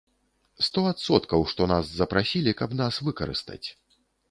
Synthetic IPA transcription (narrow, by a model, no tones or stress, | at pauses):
st̪ɔat̪sɔt̪kɐwʂt̪ɔnaszɐpɾasʲilʲikɐbnasvɨkɐɾɨ̰st̪ɐ̰t͡sʲ